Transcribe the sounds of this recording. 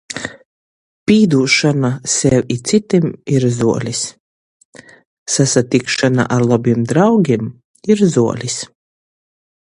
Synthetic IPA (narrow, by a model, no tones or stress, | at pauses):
pʲiːd̪uːʃanasɛwʲit̪sit̪imiɾzuɔlʲis | sasat̪ikʃana̰ʔaɾlˠabimd̪ɾawɡʲim | iɾzuɔ̰lʲis